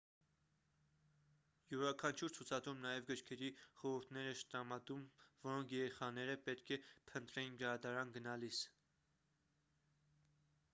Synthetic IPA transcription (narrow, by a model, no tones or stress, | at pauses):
juɾɑkʰɑnt͡ʃʰuɾt͡sʰut͡sʰɑd̪umnɑjɛvɡəɾkʰɛɾiχɔɾəɾt̪ʰnɛɾɛʃt̪ɾɑmɑd̪umvɔɾɔŋkʰjɛɾɛχɑnɛɾəpɛt̪kʰɛpʰənt̪ɾɛjinɡəɾɑd̪ɑɾɑnɡənɑlis